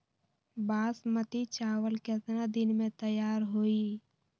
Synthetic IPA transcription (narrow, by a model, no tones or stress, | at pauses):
baːsmət̪it͡ʃaːʋəlkɛt̪ɾad̪ɪnmẽt̪əjaːɾɦoːi